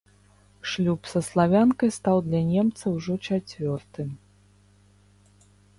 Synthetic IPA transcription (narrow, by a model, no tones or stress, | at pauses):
ʂlʲupsɐslˠavʲankɐjst̪awd̪lʲɐnʲɛmt̪sɐwʐɔt͡ʂat͡sʲvʲɔrt̪ɨ